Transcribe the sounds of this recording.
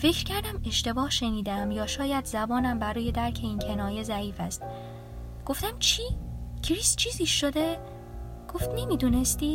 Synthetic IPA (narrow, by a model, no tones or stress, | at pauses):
fe̞cɾcʰæɾd̪æme̞ʃt̪e̞bɒːhʃe̞niːd̪eæmjɒːʃɒːjæd̪zæbɒːnæmbæɾuːje̞d̪æɾcʰe̞iːncʰe̞nɒːje̞zæiːfæst̪̚ | ɡ̥o̞ft̪æmt͡ʃʰicʰɾiːst͡ʃʰiːziːʃːod̪e | ɡ̥o̞ft̪ne̞miːd̪uːnest̪iː